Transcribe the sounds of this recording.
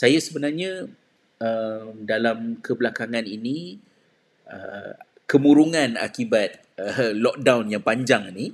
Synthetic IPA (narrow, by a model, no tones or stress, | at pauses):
sajasəbənarɲã | əmdalamkʰəbəlakaŋãnini | ə̰ | kəmuɾuŋãna̰kibat̪̚ | əlɔk̚dawnjaŋpaɲd͡ʒaŋni